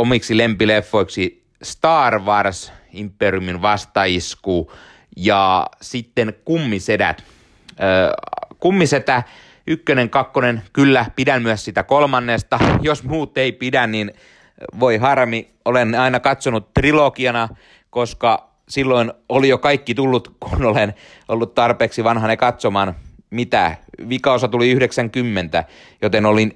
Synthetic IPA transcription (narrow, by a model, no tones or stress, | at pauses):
omiksilempilefːoiksi | st̪ɑːrʋɑrsimpːeriuminʋɑst̪ɑiskuː | jɑsit̪ːenkumːisedæ̰t̪ː | kumːiset̪æ | ykːøneŋkɑkːonenkylːæpidænmyæssit̪ækolmɑnːeːst̪ɑjosmuːt̪ːeipidænnin | ʋoiɦɑrmi | olenɑinɑkɑt̪sonut̪t̪rilokiɑnɑ | koskɑ | silːoinolijokɑikːit̪ulːut̪kʰunolen | olːut̪t̪ɑrpeːksiʋɑnhɑnekɑt̪somɑːn | mit̪æ̰ʋikɑosɑt̪uliyhdeksæŋkymːent̪æ | jot̪enolin